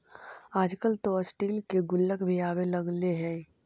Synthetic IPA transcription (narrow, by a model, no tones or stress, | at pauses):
aːd͡ʒkəlt̪oəsʈiːlkeɡʊlːəkbʱiaːwelɐɡleɦɛː